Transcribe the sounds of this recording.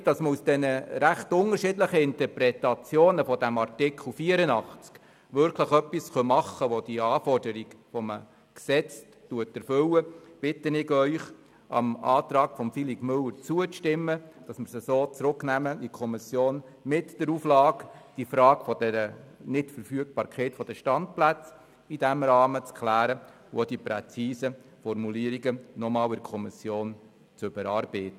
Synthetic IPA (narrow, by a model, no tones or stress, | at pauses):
d̥ɑsməusd̥ɛnəɾæχtʊŋəɾʃɪdləχəɪntəɾpɾɛtɑt͡sjoːnəfɔdæmɑɾtɪkʰχl̩ˠfiəɾənɑχt͡sk | ʋʏɾkʰləχœpisχœmɑχəʋɔd̥iɑːfɔrdəɾiɡfɔmə | ksɛt͡s | tuətɛɾfʏwəb̥ɪtənɪɡœʏχ | ʔɑ̰mɑ̰ːt̪rɑːɡfɔmfilipmɵlːəɾt͡suəʃtɪmːəd̥ɑsmɪɾsəsoːt͡sɾʊknæməikʰɔmisjoːn | mɪtd̥əɾuːflɑːkd̥ifɾɑːɡfɔdɛɾənɪtfəɾfyək̚pɑːɾkʰχeːtfɔd̥əʃtɑntplæt͡s | id̥æmɾɑːmət͡skʰχlæːɾə | wod̥ipɾɛ̰t͡siːsə | fɔrmuliəɾiɡənɔmɑːlɪɾkʰɔmisjoːn | t͡sʏb̥əɾɑːɾb̥ɛɪtə